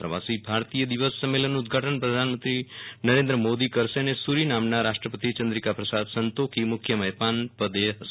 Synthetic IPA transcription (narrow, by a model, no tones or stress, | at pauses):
pɾəʋasibʱaɾt̪ijəd̪iʋəsːəmːelənːuːd̪̚ɡʱaʈənpɾəd̪ʱanmə̃nt̪ɾinəɾẽnd̪ɾəmod̪ikəɾʃenesuɾinamnaɾaʃʈɾəpət̪it͡ʃə̃nd̪ɾikapɾəsad̪sənt̪okʰimʊkʰːjəməjpanpəd̪eɦəs